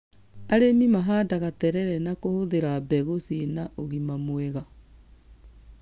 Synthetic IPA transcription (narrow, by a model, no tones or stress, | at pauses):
aɾemimaɦaːdaɣatɛɾɛɾɛnakohoðeɾabɛɣosienaʔoɣimamweɣa